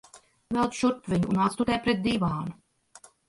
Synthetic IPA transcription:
vɛlˠt̪ʃuɾpvʲiɲuunat̪st̪ut̪ɛjpɾɛt̪̚d̪iːvaːnu

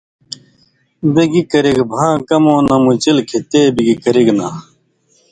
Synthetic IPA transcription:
biɡikɐɾiɡbʱãːkɐmõːnɐmut͡ɕilkʰit̪eːbiɡikɐɾiɡna

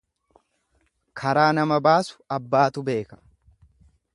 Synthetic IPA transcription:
kʰɐɾaːnɐmɐbaːsʊ̥ɐbːaːt̪ʊbe̞ːkɐ̥

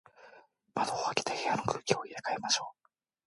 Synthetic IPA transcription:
mad̪ooakʲi̥t̪ehejano̞kɯ̟ːkʲio̞iɾekaemaɕo̞ː

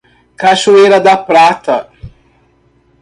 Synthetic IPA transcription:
kaʃueːɾɐd̪apɾaːt̪ɐ

